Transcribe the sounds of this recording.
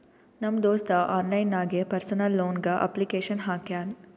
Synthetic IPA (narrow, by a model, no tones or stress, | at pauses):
nɐmːd̪oːst̪ɐʔaːnlɐjnaːɡepɐɾsɐnɐlːoːnɡɐʔɐ̰plikeːʃɐnɦaːkaːn